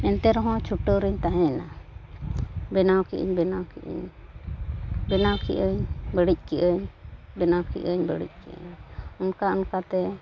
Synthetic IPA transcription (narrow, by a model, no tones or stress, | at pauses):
ɛnt̪ɛɾɔɦɔ̃t͡ʃʰuʈəɾəɲt̪aɦɛ̃na | bɛnawkḭʔə̰ɲbɛnawkiʔə̰ɲ | bɛnawkiʔəɲbəɽic̚kiʔəɲbɛnawkḭʔəɲbəɽḭc̚ˀkiʔə̰ɲunkaunkat̪ɛ